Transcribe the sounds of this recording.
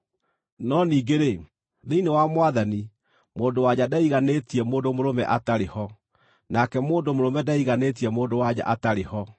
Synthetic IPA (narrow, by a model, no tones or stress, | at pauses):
nɔniːɡeɾe | ðeinewamwaðani | moːndowaɲadaiɣaneːtiɛmoːndomoɾomɛ̰ʔataɾehɔ | nakɛmoːndomoɾomɛdaiɣaneːt̬iɛmoːndowaɲa̰ʔataɾehɔ